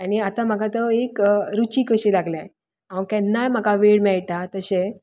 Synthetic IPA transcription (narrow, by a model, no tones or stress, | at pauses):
aniat̪ãm̤aɡat̪əekɾut͡ɕikəɕilaɡlaj | aʋkɛ̃nːajm̤akaʋeɽmɛɭʈ̪at̪əɕe